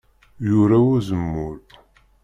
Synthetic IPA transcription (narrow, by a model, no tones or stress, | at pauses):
jʊɾæuzəmːʊɾ